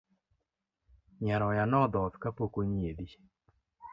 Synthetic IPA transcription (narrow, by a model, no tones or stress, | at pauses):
ɲɛɾɔjanɔd̪ɔtkapokoɲied̪i